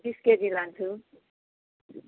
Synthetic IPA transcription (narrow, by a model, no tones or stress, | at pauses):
bisked͡zilant͡sʰu